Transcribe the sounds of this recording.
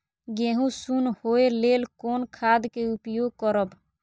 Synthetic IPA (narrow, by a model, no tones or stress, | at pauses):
ɡeɦũsunhoelelkoːnkʰad̪keupjoɡ̚kɔɾəb